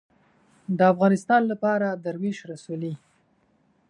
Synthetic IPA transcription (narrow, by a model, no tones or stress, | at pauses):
d̪əafɣɑnɪst̪ɑnlapɑɾad̪aɾwiʃɾasuli